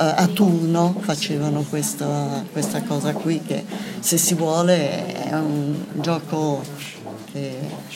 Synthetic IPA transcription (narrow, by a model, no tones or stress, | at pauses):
at̪ːurnofat͡ʃeːvanokwest̪akwest̪akɔːzakwikːḛsesːivwɔːleɛ̰und͡ʒɔːko | ke